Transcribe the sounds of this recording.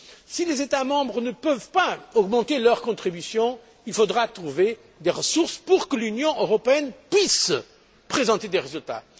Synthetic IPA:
silezet̪amɑ̃bʁənəpœvpaɔɡmɑ̃t̪elœʁkɔ̃t̪χibysjɔ̃ | ilfod̪ʁat̪χuve | d̪eʁəsuʁspuʁkəlynjɔ̃ʔøʁɔpeɛnpɥis | pχezɑ̃t̪ed̪eʁezylt̪a̰

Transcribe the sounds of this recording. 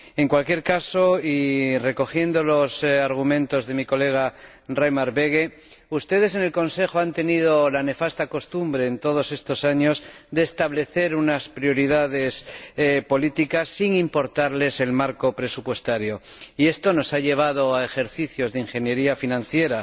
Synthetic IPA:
e̞ŋkwalkje̞ɾkaso̞ire̞ko̞xje̞nd̪o̞lo̞saɾɣ̞umẽnt̪o̞zðe̞miko̞le̞ɣ̞a | rajmaɾβe̞ɣ̞e̞ | ust̪e̞ðe̞s̬e̞ne̞lko̞nse̞xoant̪e̞nið̞o̞lane̞fast̪ako̞st̪umbɾe̞ːnt̪o̞ð̞o̞se̞st̪o̞saɲo̞sde̞ːst̪aβle̞θe̞ɾunaspɾjo̞ɾiðaðe̞spo̞lit̪ikasːiŋimpo̞ɾt̪aɾle̞se̞lmaɾko̞pɾe̞supwe̞st̪aɾjo̞ie̞st̪o̞no̞saʎe̞β̞að̞o̞ae̞xe̞ɾθiθjo̞zðeiŋxe̞nje̞ɾiafinãnθje̞ɾa

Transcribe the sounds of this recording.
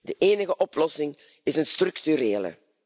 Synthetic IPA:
dəʔeːnəɣəʔɔplɔsɪŋ | ɪzənstrɵkt̪yɾeːlə̰

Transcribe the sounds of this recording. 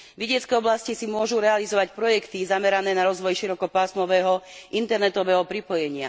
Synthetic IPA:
ʋiɟɪɛt͡skɛːɔblascisimʊɔʒuɾɛalizɔʋacpɾɔjɛkt̪izamɛɾanɛːnaɾɔzʋɔjʃiɾɔkɔpaːsmɔʋɛːɦɔʔint̪ɛɾnɛt̪ɔʋɛːɦɔpɾipɔjɛɲɪa̰

